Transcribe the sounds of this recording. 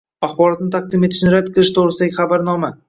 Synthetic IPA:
aχbɒɾɒt̪nɪt̪ʰaq̚d̪ɪmeɪ̥ʃnɪɾad̪kʰɨlˠɪʃt̪ʰoʁɾɪsɪd̪aɡʲɪχabaɾnɒma

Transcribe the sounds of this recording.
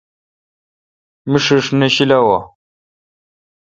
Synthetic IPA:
miʂiʂneɕilawa

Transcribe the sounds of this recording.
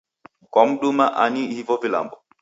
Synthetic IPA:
kɔm̩ɗumaʔanihivɔvila̰mbɔ

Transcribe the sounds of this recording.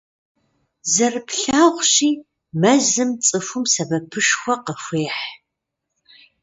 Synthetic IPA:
zɐrɨpɬaːʁʷɕiː | mɐzɨmt͡sʼɨfʊmsɐbɐpʰɨʂxʷɔqəxʷeːħ

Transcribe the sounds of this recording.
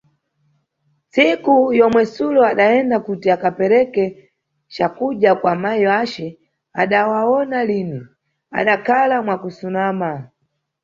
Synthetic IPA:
sikujɔmwɛsulɔaɗaɛndakutiakapɛɾɛkɛ | t͡ʃakuʄakwamajiwat͡ʃɛ | a̰ɗawaɔnalini | a̰ɗakʰalamwakusunama

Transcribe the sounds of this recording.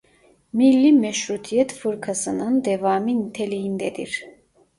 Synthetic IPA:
milːimɛʃɾut̪ʰijɛt̪fɯɾkʰasɯnɯnd̪evaːmint̪ʰelijind̪ɛd̪ḭɾ̥

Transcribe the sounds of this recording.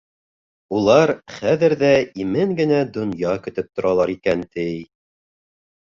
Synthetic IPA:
ulˠɑɾχæðɘ̆ɾðæimɘŋɡɘ̆næd̪ŏnjɑkɵ̆t̪ɘp̚t̪ŏɾɑlˠɑɾikænt̪ɘj

